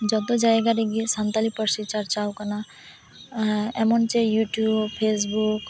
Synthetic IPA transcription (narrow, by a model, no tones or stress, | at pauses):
d͡ʒɔt̪ɔd͡ʒaeɡaɾeɡisant̪alipɔɾsit͡ʃaɾt͡ʃawkana | ɛmɔnt͡ʃejuʈjubpʰesbuk